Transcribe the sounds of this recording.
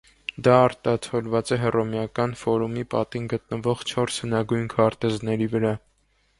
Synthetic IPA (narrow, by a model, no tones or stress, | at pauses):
d̪ɑɑɾt̪ɑt͡sʰɔlvɑt͡sɛɦɛrɔmjɑkɑnfɔɾumipɑt̪inɡət̪̚nəvɔʁt͡ʃʰɔɾshənɑɡujnkʰɑɾt̪ɛznɛɾivəɾɑ